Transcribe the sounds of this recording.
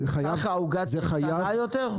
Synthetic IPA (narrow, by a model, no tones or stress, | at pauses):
χajaχaːuɡazɛχajaajoteʁ